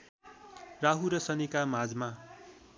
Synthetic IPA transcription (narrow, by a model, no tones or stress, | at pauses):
raɦuɾʌsʌnikamad͡zma